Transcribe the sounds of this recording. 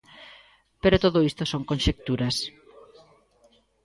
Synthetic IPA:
peɾot̪oðoist̪osoŋkõnʃek̚t̪uɾɐs

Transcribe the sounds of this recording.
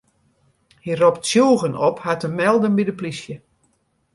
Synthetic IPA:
hirɔptsjuːɣənɔphatəmɛlˠdənbidəplisjə

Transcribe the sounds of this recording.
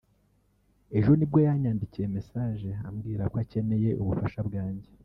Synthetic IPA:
e̞ʒonibɟo̞jaɲaːndicije̞me̞saːʒe̞a̰mɡiːɾakoace̞ne̞je̞ʔuβufaʃabɡaːɲɟe̞

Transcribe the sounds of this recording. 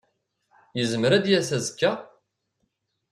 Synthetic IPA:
jəzməɾæd̪jæsæzkːæ

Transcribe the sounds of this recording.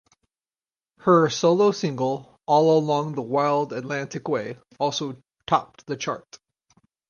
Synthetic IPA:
hə˞soʊlˠoʊsɪ̃ŋɡəl̩ˠ | ʔɔlˠəlɔ̃ŋðəwaɪlˠdɨtˡlæ̃ntɨkweɪ | ɔlˠsoʊ | tʰɑ̰p̚ðɨt͡ʃʰɑ̰ɹt

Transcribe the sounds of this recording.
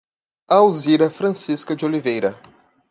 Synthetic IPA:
awziɾɐfɾɐ̃siskɐd͡ʒolivejɾɐ

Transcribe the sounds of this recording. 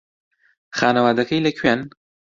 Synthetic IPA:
xaːnɐwaːd̪ɐkɐjlɐkʰɥen

